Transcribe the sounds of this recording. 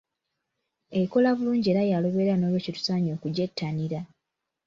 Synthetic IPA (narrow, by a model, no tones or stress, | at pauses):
eko̞laβuluːɲɟe̞ːɾajaloβe̞ːɾano̞ːlwecitu̥saːɲo̞ːkuɟetːaniɾa